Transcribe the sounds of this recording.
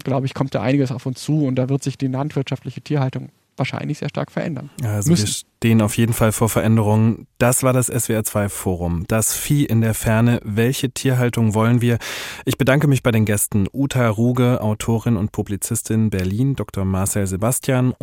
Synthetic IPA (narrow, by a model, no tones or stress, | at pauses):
ɡ̥laʊbəɪçkʰɔmt̚d̥a̰ːʔa̰ɪnɪɡəsaʊfʊnst͡suːʊnt̚d̥aːvɪɐtz̥ɪçd̥iːlantv̥ɪɐtʃaftlɪçətʰiːɐhaltʊŋ | vaːɐʃa̰ɪnlɪçz̥eːɐʃta̰ɐkfɛɐʔɛ̰ndɐ̰nalzoomviɐʃteːənaʊfjeːdn̩falfoːɐfɛɐʔɛndəʁ̞ʊŋənd̥asv̥aːɐdasʔɛsv̥eaɐt͡sv̥aɪfoːʁ̞ʊmd̥asfiːʔɪndeːɐfɛɐnəvɛlçətʰiːɐɦaltʊŋvɔlənviːɐʔɪçb̥ədaŋkəmɪçb̥aɪdeːnɡɛstn̩ʔuːtʰaʁuːɡəʔa̰ʊtʰoːʁɪnʊnt̚pʰublit͡sɪstʰɪnbɛɐliːndɔktʰoɐmaɐsɛlzebastjaːn